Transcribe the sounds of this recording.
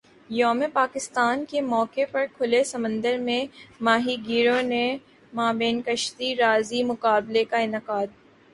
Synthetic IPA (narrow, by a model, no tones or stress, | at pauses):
jɔːmepaːkɪst̪aːnkemɔːkepɐɾkʰʊlesɐmə̃nd̪əɾmẽmaːɦiɡiːɾõne | maːbeːnkəʃt̪iɾaːzimʊkaːblekaɪnɪqaːd̪̚